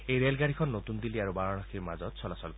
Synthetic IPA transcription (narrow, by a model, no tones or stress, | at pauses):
ejɾelɡaɽ̤ikʰɔnːot̪und̪iliaɾubaɹɔɽ̃ɔxiɾmazɔt̪sʰɔlasɔlk